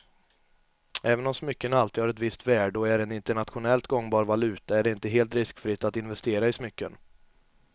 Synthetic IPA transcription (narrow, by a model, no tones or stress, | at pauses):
ɛːvənɔmsmʏkːənalt̪iːd̪haːɾɛt̪vɪst̪væːɖɔæɾɛnɪnt̪əɳat̪ɧʊnɛlt̪ɡɔŋːbɑːɾvalʉ̟ːt̪aæɖɛɪnt̪əɦeːlt̪ɾɪskfɾɪt̪ːat̪ɪnvɛst̪eːɾaɪsmʏkːən